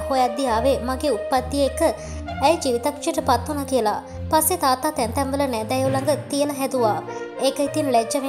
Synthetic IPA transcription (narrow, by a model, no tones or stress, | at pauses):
hojad̪ːijaːʋemaɡeːut̪̚pːad̪ːieekəː | jd͡ʒiːʋit̪akʂieʈəpat̪ːunakijəla̰ | pasːet̪aːt̪aːt̪ɛnt̪ɛmʋələnɛd̪ɛjulaŋɡət̪ijələɦɛd̪uʋaːekəit̪inlɛd͡ʒːɐʋe